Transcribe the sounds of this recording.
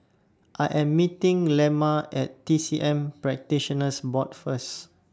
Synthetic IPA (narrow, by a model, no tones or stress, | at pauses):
ʔajʔɛ̃mːitĩŋlɛmaʔɛtːisiʔɛ̃mpɹɛk̚tiʃənəsbɔt̚fəs